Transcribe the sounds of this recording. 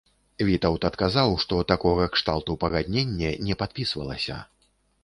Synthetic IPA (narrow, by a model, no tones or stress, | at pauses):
vʲit̪ɐwt̪ɐt̪kazawʂt̪ɔt̪akɔɣɐkʂt̪alˠt̪upɐɣad̪ʲnʲenʲːɛnʲɛpat̪̚pʲisvɐ̰lˠɐ̰sʲɐ̰